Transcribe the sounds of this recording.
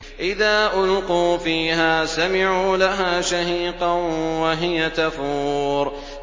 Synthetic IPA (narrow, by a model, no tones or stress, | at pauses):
ʔɪðaːʔʊlquːfiːɦaːsamɪʕuːlaɦaːʃahiːqɑwaɦɪjat̪afuːɾ